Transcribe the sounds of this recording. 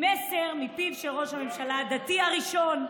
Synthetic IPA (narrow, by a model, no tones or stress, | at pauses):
mese̞ʁmipivʃelʁo̞ʃhamemʃalad̪at̪iaʁiʃo̞n